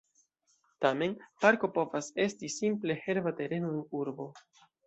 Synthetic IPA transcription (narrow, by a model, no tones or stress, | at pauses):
tame̞npaɾko̞po̞vase̞stisimple̞he̞ɾvate̞ɾe̞noenuɾbo̞